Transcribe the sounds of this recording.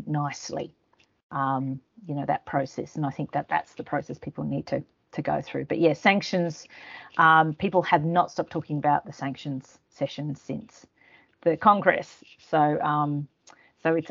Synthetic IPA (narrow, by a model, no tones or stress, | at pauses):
naɪslḭ | ʔʌ̃mjɨnoʊðɨ̰t̚pʰɹ̥oʊsɛ̰sɨ̃naɪθɪ̃ŋk̚ðɨt̪̚ðæ̰tsðəpʰɹ̥oʊsɛspʰipl̩ˠnid̚tʰɨ | tʰɨɡoʊθɹʉb̥ʌʔ̚jɛsæ̃ŋkʃɨ̃nz̥ʔʌ̃mpʰipl̩ˠɨvnətstɑp̚tʰɔkɪ̃ŋəbaʊt̪̚ðɨsæ̃ŋkʃɨ̃nz̥ | sɛʃɨ̃nz̥sɪ̰̃ns | ðɨkʰɑ̃ŋɡɹɛ̰sː | oʊʔʌ̃m | soʊɨts